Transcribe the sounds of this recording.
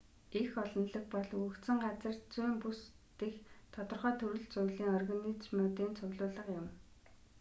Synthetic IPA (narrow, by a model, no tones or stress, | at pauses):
ixɔɮɞ̆nɮə̆kpɔɮukt̪sɘ̆ŋɢat͡sə̆rt͡sujːmpus | t̪ext̪ʰɔt̪ɞ̆rχœːt̪ʰɵɾɘ̆ɮt͡sʊjɮiːŋɔrɣanit͡ɕmʊːt̪iːnt͡sʰʊɣɮʊːɮə̆qjʊm